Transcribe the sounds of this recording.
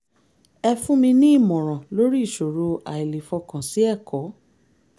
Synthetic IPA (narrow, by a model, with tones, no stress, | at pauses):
ɛ˧fũ˦mĩ˧nĩ˦i˦˨mɔ̃˨ɾ̃ã˨lo˦ɾi˦˨ʃo˨ɾo˧a˨i˨le˨fɔ˧kã˨si˨˦ɛ˦˨kɔ˨˦